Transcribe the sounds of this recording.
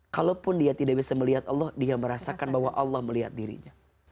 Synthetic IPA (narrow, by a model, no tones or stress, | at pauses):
kalopʊndiat̪idaʔbisaməliɦat̪ɑlːɔhdiaməɾasakanbaɦwaʔɑlːɑhməliɦa̰t̪̚diɾḭɲa